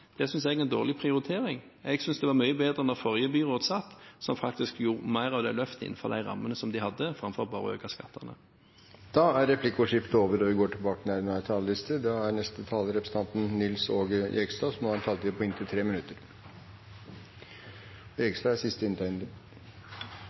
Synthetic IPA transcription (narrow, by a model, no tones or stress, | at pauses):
d̪̥ɛsʏnsɛɡɛnd̪oːʁlɪpʰʁɪʊʁɪt̪ʰeːʁɪŋ | ɛɡsʏnsd̪ɛʋɑʁmyʏəbeːd̪ʁənɔʁfɔʁjəbyːʁoːt̪sɑt̪ːsɔmfɑkt̪ɪskjuːʁmæɪʁɑʋd̪ɛlœft̪ɪɪ̰nfɔ̰ʁd̪æɪʁɑ̰mːənəsɔmd̪ɪhɑd̪ːəfʁɑmfɔʁɔbɑ̰ːʁə̰ø̰ːkɑskɑ̰t̪ʰːə̰nə̰ | d̪̥ɑæɾɛpʰlɪkːʊʂɪft̪oːʋəɾɔʋɪɡoːʈʰɪlbɑːkənæɾnɑt̪ʰɑləlɪst̪əd̪ɑæɾɳɛst̪ət̪ʰɑːləɾɛpɾəsəɑnt̪n̩nɪlsoːɡə̰ʔɛɡst̪ɑːsɔmɔhɑnt̪ʰɑlt̪ɪpʰɔɪnt̪ʰɪlt̪ʰɾeːmɪnʉt̪ːəɾ | ɛɡst̪ɑːæsɪst̪əɪnt̪æɪnd̪ɪ